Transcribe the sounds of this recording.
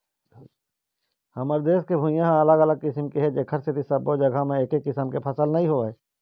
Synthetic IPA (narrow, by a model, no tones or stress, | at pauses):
hɐməɾd̪eːskebʱujãɦãɐləɡɐləɡ̚kɪsəmkeɦɛd͡ʒeːkʰəɾset̪isɐbod͡ʒɐɡʱamẽeːkekːɪsəmkepʰɐsəlnɐɦĩɦoeː